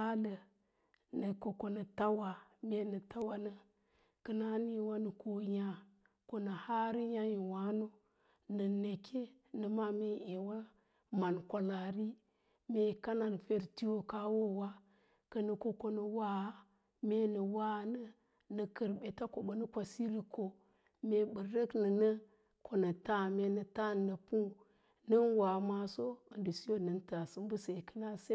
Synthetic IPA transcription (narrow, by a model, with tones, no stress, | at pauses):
a˦lə˨ | nə˨ko˨ko˨nə˨ta˦wa˨me˦nə˨ta˦wa˨nə˦ | kə˨na˦ni˦wa˦nə˨ko˨ja˨ | ko˨nə˨ha˦ɾi˦ja˦ji˨wa˦no˦ | nə˨ne˨kʰe˦ | nɨ˨ma˦me˦e˨wa˦ | ma˨nkʷa˨la˨ɾi˦ | me˨ka˦na˨nfe˨ɾti˦wo˨ka˦wo˦wa˦ | kə˨nə˨ko˦ko˦nə˨wa˦ | me˦nə˨wa˦nə˦ | nə˨kə˨ɾbe˨ta˦ko˨bə˨nə˦kʷa˨si˦ɾi˨ko˨ | me˨bə˨ɾə˦knə˨nə˦ | ko˨nə˨ta˦˨me˨nə˨ta˦nːə˨pu˦ | nə˦nwa˨˦ma˦so˦ə˨ndi˨si˦jo˦˨nə˨nta˨sɨ˦m˦bɨ˦se˨kə˦la˦se˦